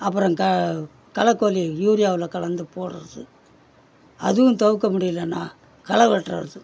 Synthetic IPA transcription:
ɐpːɯɾɐ̃ŋkɐ | kɐlɐkːoːlijuːɾɪjaːʋɪlɐkɐɭɐnd̪ɯpoːɽɯɾðɯ | ɐ̰ðɯʋʊ̃t̪ɐʋɯk̬ːɐmʊɽɪjɪlːɐnːaː | kɐlɐʋɛʈːrɐ̰ɾɐðɯ

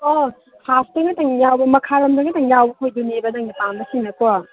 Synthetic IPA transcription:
o | hasdɐŋɡɐtɐŋjawbɐmɐkʰaɾɐmdɐŋɐtɐŋjawbɐkʰojdunebɐdɐŋipanbɐsinɐko

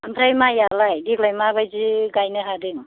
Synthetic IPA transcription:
amʰɾajmajalajdiklajmaβajd͡ʒiɡajnɯɦadɯŋ

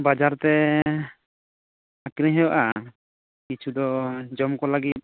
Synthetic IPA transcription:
bad͡ʒaɾt̪ɛ | akɾiɦɛwaʔa | kit͡ʃʰud̪ɔd͡ʒɔmkɔlaɡit̪̚

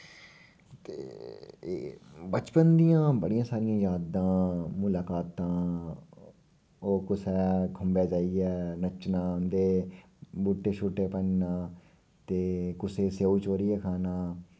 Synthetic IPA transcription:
t̪ḛː | bət͡ʃpənd̪ijãːbəɽijãːsaːɾɪjãːjaːd̪ãːmʊlaːkaːt̪ãː | oːkʊsɛːkʰʊmbeːd͡ʒaːiɛːnət͡ʃnãːʊnd̪eː | buːʈːeːʃʰuːʈːeːpənnãː | t̪eːkʊseːseːuːt͡ʃoːɾiːɛːkʰaːnaː

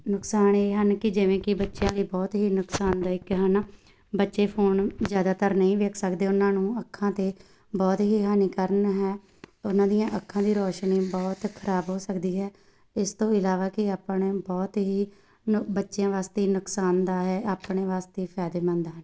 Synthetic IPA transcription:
nʊksaːneːɦənkɪd͡ʒɪʋẽːkɪbətːʃejãːləiːbɔːt̪ɦiːnʊksaːnd̪aːɪkːɦən | bətːʃeːpʰoːnzjaːd̪aːt̪əɾnəĩːʋeːkʰsəkd̪eːʊnãːnũːəkʰːãːt̪eː | bɔːt̪ɦiːɦaːniːkəɾənɦɛː | ʊnãːd̪ijãːʔəkʰːãːd̪iːɾɔːʃniːbɔːt̪kʰəɾaːbɦoːsəkd̪iːɦɛː | ɪst̪õːɪlaːʋaːkɪaːpəɳbɔːt̪ɦiː | bətːʃejãːʋaːst̪eːiːnʊksaːnd̪aːɦɛːaːpɳeːʋaːst̪eːpʰɛːd̪eːmə̃nd̪aːɦən

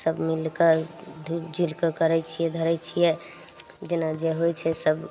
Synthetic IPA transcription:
səbmilkəd̪ʱd͡ʒilkəkəɾɛt͡ʃʰijɛd̪ʱəɾɛt͡ʃʰijɛ | d͡ʒenad͡ʒeɦojt͡ʃʰɛsəb

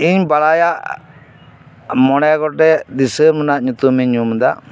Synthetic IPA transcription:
iɲbalajaʔ | mɔɽɛɡɔʈɛd̪isəmənaʔɲut̪umiɲumd̪aʔ

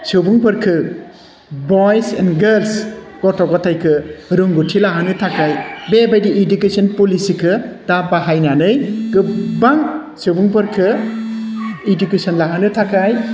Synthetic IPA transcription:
sɯwbuŋpɯɾkʰɯ | bɔjsɛnɡels | ɡ̥ɔtɔkɔtʰajkʰɯɾɯŋɡutʰilaɦanɯtʰakajbebajdiʔːdukesɔnpulisikʰɯdapaɦajnanɯjɡɯbaŋ | sɯwbuŋpɯɾkʰɯ | edukesɔnlaɦanɯtʰakʰaj

